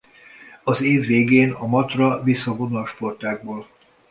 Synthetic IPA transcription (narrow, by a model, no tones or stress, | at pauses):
ɒzeːvːeːɡeːnɒmɒt̪rɒvisːɒɡonolʃpo̞rt̪aːɡ̚boːl